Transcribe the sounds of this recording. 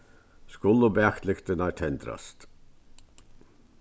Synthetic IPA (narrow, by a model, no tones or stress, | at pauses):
skʊlːʊbeɑkt̪lɪkt̪ənɑt̪ʰɛnd̪ɾɑ̰st̪